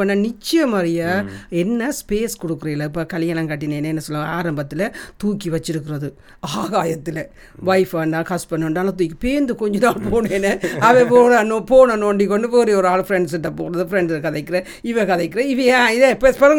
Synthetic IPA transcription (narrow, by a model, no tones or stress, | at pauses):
ɐnːãːnɪt͡ʃːɪjɐmɐːɾɪjaːɛnːɐspeːskɔɽɯkːɯɾɐɪlːɐɪpːɐkɐlɪjanɐ̃ŋkɐʈːɪneːnːɐɛnːɐsɔlːɐaːɾɐmbɐt̪ːɪlɐt̪uːkːiʋɐt͡ʃːɪɾɯkːɪɾɐðɯ | aːɣaːjɐt̪ːɪlɐ | ʋɐɪfɐnɖãːkɐspɐnːɐʋɐɳɖaːlɐt̪̬uːjkːɯpeːnd̪ɯkɔɲd͡ʒɔnaːlpoːnenːɐɐʋẽpoːɽɐnopoːnɐnoːɳɖik̬ːɔɳɖɯʋoɾeɔɾɯaːɭfɪɾɛɳɖsɪʈːɐpo̰ːɾɐðɯfɾɛɳɖkɐðɐɪkːɪɾɐ̃ | ɪʋɐkɐðɐɪkːɪɾɐ̃ɪʋɐɛ̃ːɪðepːɐspɐɾɯŋ